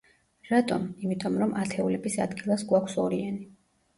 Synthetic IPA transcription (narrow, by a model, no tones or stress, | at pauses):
ɾat̪ʼɔmimit̪ʼɔmɾɔmʔat̪ʰɛulɛbisa̰d̪ɡilˠasɡwakʷʰsɔɾiani